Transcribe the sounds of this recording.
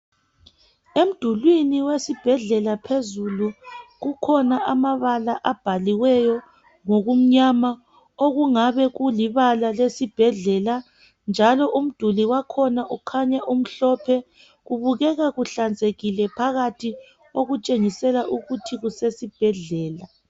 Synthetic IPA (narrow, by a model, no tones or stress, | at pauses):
em̩d̥ʱulwiniwesib̥ʱɛɮɛlapʰezuluɣukʰɔnaʔamaβalaʔab̥ʱaliwɛjɔ | ŋoɣum̩ɲama | oɣuŋaβɛɣuliβalalesib̥ʱɛɮɛla | nd͡ʒʱalɔʔum̩d̥ʱuliwakʰɔnaʔukʰaɲaʔum̩ɬɔpʰɛ | ɣuβuɣɛɣaɣuɬand͡zʱeɣilɛpʰaɣatʰi | oɣut͡ʃʼeŋisɛlaʔuɣutʰiɣusesib̥ʱɛɮɛːla